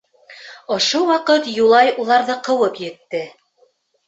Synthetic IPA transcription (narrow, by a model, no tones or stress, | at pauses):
ŏʃowɑqɤt̪julˠɑjulˠɑɾðɤqɤ̆wɤpjɘ̆t̪ːɘ